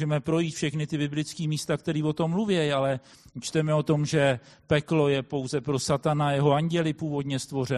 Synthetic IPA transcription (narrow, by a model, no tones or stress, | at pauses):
ʒɛmɛpɾo̞jiːt̪fʃɛxnɪt̪ɪbɪblɪt͡skiːmiːst̪ak̚t̪ɛɾiːvo̞t̪o̞mːluvjɛjalɛ | t͡ʃt̪ɛmɛo̞t̪o̞mʒɛpɛklo̞jɛpo̞wzɛpɾo̞sat̪anajɛɦo̞aɲɟɛlɪpuːvo̞d̪ɲɛst̪vo̞rɛ